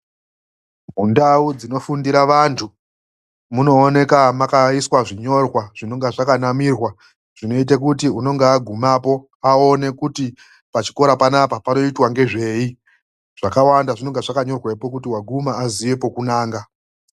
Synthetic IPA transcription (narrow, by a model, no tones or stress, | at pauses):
mundaud͡zino̞fundiɾaʋantʰu | muno̞ːne̞kamakaiswaʐiɲo̞rwaʐ̥ino̞ŋɡaʐakanamiːrwa | ʐ̥ino̞it̬ek̬utiuno̞ŋɡeaɡʱumapo̞ | ao̞ne̞kuti | pat͡ʃi̥ko̞ɾapanapapano̞itwaŋɡe̞ʐe̞i | ʐ̥akawandaʐino̞ŋɡeʐakaɲo̞rwe̞po̞kutiwaɡʱumaaziwe̞po̞kunaːŋɡa